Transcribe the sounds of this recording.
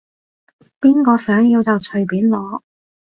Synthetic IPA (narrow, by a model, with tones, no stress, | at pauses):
piː˥nkɔː˧sœː˨˥ŋjiː˧wt͡sɐ˨wt͡ʃʰɵ˨ɥpiː˨˥nlɔː˨˧